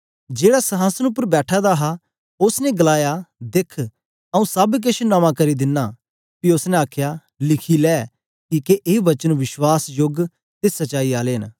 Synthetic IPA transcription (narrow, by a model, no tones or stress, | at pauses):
d͡ʒeːɽasɐɦaːsənʊp̬ːəɾbɛːʈʰad̪aɦa | ʊsnɛɡɐlaːjad̪ɪkʰ | ɐũsɐbk̬ɪt͡ʃʰnamãkɐɾid̪ɪnːa | piʊsnẽaːkʰja | lɪkʰilɛː | kiːkeʔeːʋɐt͡ʃənʋɪʃwaːsjoɡ | t̪esɐt͡ʃaːiaːleːn